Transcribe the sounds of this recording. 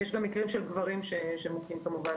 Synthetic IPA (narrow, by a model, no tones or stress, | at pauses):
jɛʃɡamːikʁimʃelɡvaʁimʃeʃemukimkamuva